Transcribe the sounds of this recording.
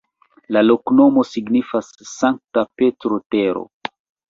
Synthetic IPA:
lalo̞kno̞mo̞siɡnifasːaŋk̚tapetɾoteɾo̰

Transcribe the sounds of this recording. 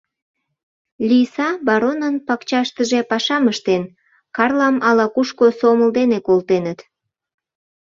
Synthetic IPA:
lʲisɑbɑɾonənpɑkt͡ɕɑʃt̪əʒepɑʃɑməʃt̪en | kɑrlɑmɑlɑkuʃkosoməld̪enekolt̪enət̪

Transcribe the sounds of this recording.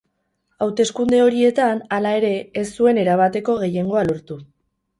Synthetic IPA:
awt̪e̞skund̪e̞o̞ɾie̞t̪analae̞ɾe̞ːsːue̞ne̞ɾaβ̞at̪e̞ko̞ɣ̞e̞je̞ŋɡo̞aloɾt̪u

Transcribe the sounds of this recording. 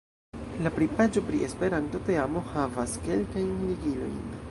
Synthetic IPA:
lapɾipad͡ʒo̞pɾie̞spe̞ɾanto̞te̞amo̞havaske̞lkajnliɡilo̞̰jn

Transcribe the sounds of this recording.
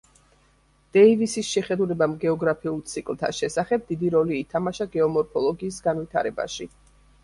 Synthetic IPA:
d̪̥ɛivisisʃɛχɛd̪ulɛbamɡɛɔɡɾapʰiulˠt̪sʰikʼlˠt̪ʰa̰ʃɛsaχɛb̚d̪id̪iɾɔliːt̪ʰamaʃaɡɛɔmɔɾpʰɔlˠɔɡiːsɡanvit̪ʰa̰ɾɛba̰ʃi

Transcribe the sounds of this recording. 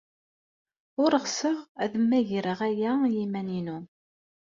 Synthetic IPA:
ʊɾəʁsəʁæðəmːæʝɾəʁæjæjimæninu

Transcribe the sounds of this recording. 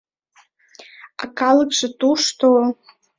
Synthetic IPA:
a̰kalɨkʼʂatʼuʂtʰo

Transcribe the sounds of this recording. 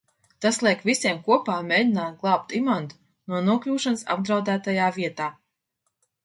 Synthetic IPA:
t̪aslˠiɛkvʲisʲiɛmkuɔpaːmʲeːdʲinaːt̪̚ɡlˠaːp̚t̪imant̪u̥ | nuɔnuɔklʲuːʃanɨsa̰bd̪ɾawd̪æːt̪ajaːviɛt̪aː

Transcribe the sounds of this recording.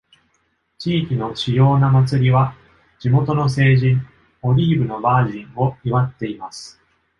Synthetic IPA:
t͡ɕiːkʲino̞ɕijo̞ːnamat͡sɨɾʲiβa | d͡ʑimo̞t̪o̞no̞s̬e̞ːʑĩɴ | o̞ɾʲiːbɯ̟no̞baːʑĩɴo̞iβat̪ːe̞imasɨ̥

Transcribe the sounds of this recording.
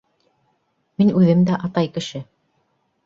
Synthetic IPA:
minʉðɘmd̪æʔɑt̪ɑjkɘ̆ʃɘ

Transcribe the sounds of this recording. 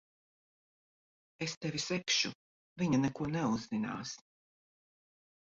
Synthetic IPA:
est̪ɛvʲisɛkʃu | viɲanɛkuɔnɛuzːina̰ːs

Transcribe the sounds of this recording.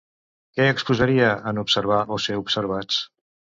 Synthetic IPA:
kɛəkspuzəɾiəənupsəɾβ̞aʔoseupsəɾβ̞at͡s

